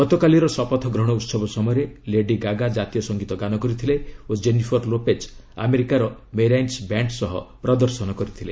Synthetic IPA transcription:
ɡɔt̪ɔkaliɾɔsɔpɔt̪ʰɔɡɾɔɦɽ̃ɔut̪sɔbɔsɔmɔjɔɾeleɖiɡaɡad͡ʒat̪ijɔsɔŋɡit̪ɔɡanɔkɔɾit̪ʰileod͡ʒenipʰɔɾlopet͡ʃ | a̰meɾikaɾɔmeɾajnsbaɳʈsɔɦɔ̰pɾɔd̪ɔɾsɔnɔkɔɾit̪ʰile

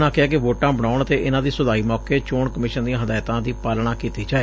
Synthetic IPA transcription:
nãːkɪaːkɪʋoːʈãːbəɳ̃aːʊɳət̪eːʔɪnãːd̪iːsəd̪aːiːmɔːkeːt͡ʃoːɳkəmɪːʃənd̪ĩãːɦəd̪aːjt̪ãːd̪iːpaːlɳ̃ãːkiːt̪iːd͡ʒaːeː

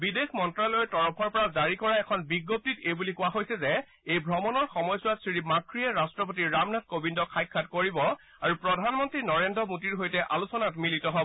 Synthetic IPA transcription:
bidexmɔntɹalɔjɛtɔɹɔpʰɔɹpɔɹazaɹikɔɹaɛkʰɔnbiɡːop̚titejbulikʊaɦojsɛzɛ | ejbʱɹɔmɔnɔɹxɔmɔjsʊwatsɹiɹimakʰɹiɛɹastɹɔp̬ot̬iɹɹamnatkobindɔkʰajkʰːatkoɹibɔ | aɹupɹɔdʱanmɔntɹinɔɹendɹɔmutiɹɦojtɛʔalusɔnatmilitɔɦɔbɔɔ

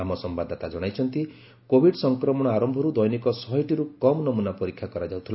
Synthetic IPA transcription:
amɔsɔmbad̪ɔt̪ad͡ʒɔɽ̃ajt͡ʃʰɔnt̪i | kobʱiɖsɔŋkɾɔmɔɽɔaɾɔmbʱɔɾud̪ɔjnikɔsɔɦɔjʈiɾukɔmnɔmunapɔɾikʰːjakɔɾad͡ʒawt̪ʰila

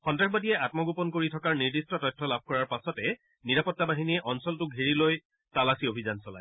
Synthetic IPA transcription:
xɔntɹaxbadiɛʔatmɔɡupɔnkoɹitʰɔkaɹniɹdistɔtɔjtʰːɔlab̚ʱkɔɹaɹpasɔtɛ | niɹapɔtːabaɦinijɛʔɔnsɔltʊiɹiloj | talasiobʱizansɔla̰j

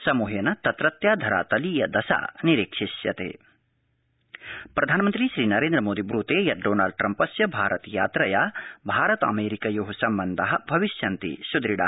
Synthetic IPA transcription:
sɐmuɦenɐt̪ɐt̪ɾɐt̪jaːd̪ʱɐɾa̰ːt̪ɐliːjɐd̪ɐsa̰ːniɾikʂiʃjɐ̰t̪ḛː | pɾʔɐd̪ʱaːnɐmɐnt̪ɾiʃɾiːnɐɾeːnd̪ɾɐmoːd̪ibɾuːt̪eːjɐɖoːnaːlɖ̚ʈɾɐmpɐsjɐbʱaːɾɐt̪jaːt̪ɾɐjaːbʱaːɾɐt̪ɐ̰meːɾikɐjoɦusɐmbɐnd̪ʱɐɦɐ̆bʱɐʋiʃjɐnt̪ḭsud̪ɾiɽa̰ː

